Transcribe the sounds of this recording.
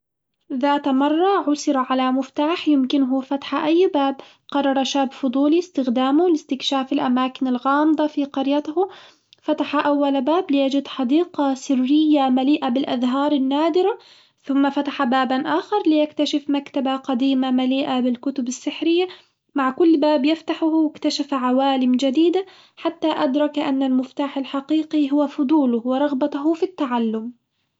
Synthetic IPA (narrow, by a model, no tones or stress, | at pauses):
ðaːt̪mɑrˤːɑʕʊsɪɾaʕalamʊft̪aːħjɪmkɪnɦʊfat̪ḁħaʔajːbaːb | qɑrˤːɑɾˤɑʃaːbfʊd̪ˤuːlist̪ɪxd̪aːmʊlɪst̪ɪkʃaːfɪlʔamaːkɪnɪlɣɑːmd̪ˤɑfiqɑɾjat̪hʊ | fat̪aħaʔawːalbaːblɪjad͡ʒɪd̪ħɑd̪iːqɑsɪrːɪjːamaliːʔabɪlʔaðɦɑːɾˤɪnːaːd̪ɪɾa | θʊmːafat̪aħabaːbanʔaːxɑɾˤlɪjakt̪aʃɪfmakt̪abaqɑd̪iːmamaliːʔabɪlkʊt̪ʊbasːɪħɾɪjːa | maʕkʊlːbaːbjɪft̪aħʊhwɪkt̪aʃafʕawaːlɪmd͡ʒad̪iːd̪a | ħat̪ːaʔad̪ɾˤɑkʔanːalmɪft̪aːħɪlħaqiːqiɦʊwafʊd̪ˤuːlʊhwɪɾˤɑɣbahʊfit̪ːaʕalːʊm